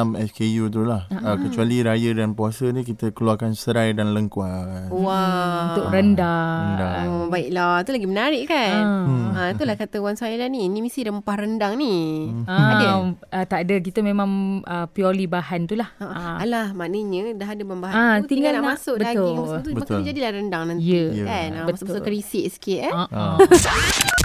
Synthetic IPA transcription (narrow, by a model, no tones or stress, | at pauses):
mɛskejut̪̬ulahəkət͡ʃualiɾajədanpuasənikit̪əkəluarkansəɾajdanləŋkuaaunʊʔɾəndadabaɪʔlɔt̪ulaɡimənaɾɪʔkanət̪ulahkat̪əwaŋsailanĩːnimisiɾəmpahɾəndaŋniaaət̪aʔdəkit̪əmemãŋʔəpiɔlibahant̪ulahaʔaalahmanəɲədaɦadəbambaɦaaut̪iŋɡalanamasʊʔbəat̪ʊilst̪umakad͡ʒadilahrəndaŋnantjiəkanãbəskəɾisɪʔsə̥kɪt̪aɔ